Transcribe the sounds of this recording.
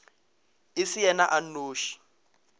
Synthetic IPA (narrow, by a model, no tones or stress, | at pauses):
ɪsijɛnaʔan̩oːʃi̥